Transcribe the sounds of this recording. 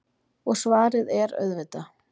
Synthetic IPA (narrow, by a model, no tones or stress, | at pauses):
ɔɣsvaːɾɪðɛɾœ̰ðvɪt̪a